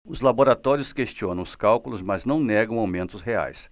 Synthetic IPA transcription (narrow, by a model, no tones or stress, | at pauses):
ʊzlaboɾat̪ɔɾiʊskest͡ʃiõnɐ̃w̃ʊskawkulʊzmaznɐ̃w̃nɛɡɐ̃w̃awmẽnt̪ʊsɦea̰js